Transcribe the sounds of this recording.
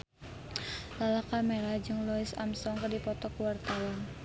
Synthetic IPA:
lalakameɾad͡ʒɨŋlɔisa̰msɔŋkərdipɔt̪ɔkuwart̪awan

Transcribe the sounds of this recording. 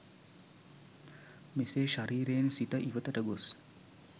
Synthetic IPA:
meseːʃaɾiːɾeːnsit̪əʔiʋət̪əʈəɡos

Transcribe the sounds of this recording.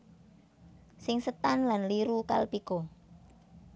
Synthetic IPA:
sɪŋsət̪anlanliɾuka̰lpiko

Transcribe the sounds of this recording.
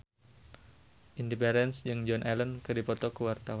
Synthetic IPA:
ʔindipɛɾɛnsd͡ʒɨŋd͡ʒɔnʔɛlɔnkɨrdipɔt̪ɔkəwart̪awa

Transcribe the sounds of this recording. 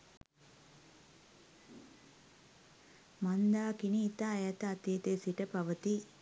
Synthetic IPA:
mɐnd̪aːkiniːt̪aːjat̪ɐːt̪iːt̪eːsiʈəpɐʋət̪i

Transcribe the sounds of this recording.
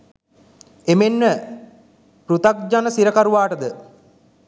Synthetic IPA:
emenmə | prut̪ak̚d͡ʒanəsiɾəkaɾuʋaːʈəd̪ə

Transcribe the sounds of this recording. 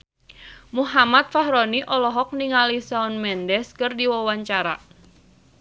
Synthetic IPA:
muɦamat̪̚faɦɾɔniʔɔlɔɦɔk̚niŋalisaɔnmɛndɛskɨrdiwawaɲt͡ʃaɾa̰

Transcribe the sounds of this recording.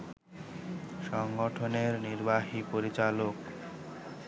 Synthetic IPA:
ʃɔŋɡoʈʰoneɾniɾbaɦipoɾit͡ɕalok

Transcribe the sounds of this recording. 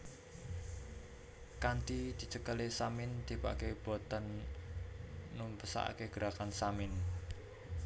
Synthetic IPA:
kant̪id̪̥i̤t͡ʃəkəlesamɪnd̪̥i̤pa̰keb̥ɔt̪ən | umpəsa̰ʔkeɡ̥əɾakansamɪn

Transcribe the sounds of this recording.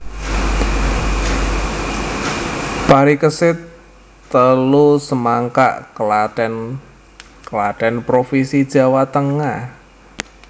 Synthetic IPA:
paɾikəsɪt̪ː | əlusəmaŋka̰ʔkəlaɛn | kəlaʈɛnpɾofisid̥ʒ̥a̤wat̪əŋah

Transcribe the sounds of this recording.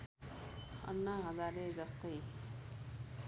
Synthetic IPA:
ʌ̰nːaɦʌd͡zaɾed͡zʌst̪ʌj

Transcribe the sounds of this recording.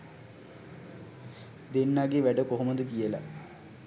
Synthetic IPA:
d̪enːaːɡeʋæɖəkoɦuməd̪əkijəla̰

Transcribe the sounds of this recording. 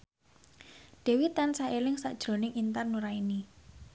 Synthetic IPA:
ɖ̥ɛ̤wit̪ansaelɪŋsaʔd̥ʒ̥ɾo̤nɪŋint̪arnuɾaini

